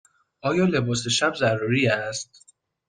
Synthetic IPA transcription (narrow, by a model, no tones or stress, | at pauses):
ʔɒːjɒːle̞bɒːse̞ʃæbzærːuːɾiːæst̪̚